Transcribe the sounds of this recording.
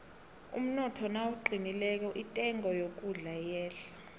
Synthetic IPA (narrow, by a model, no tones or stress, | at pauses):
ṵm̩nɔtʰɔnawuǃinilɛk̬ɔʔitʼɛŋɔjok̬ʼuɮajɛːɬḁ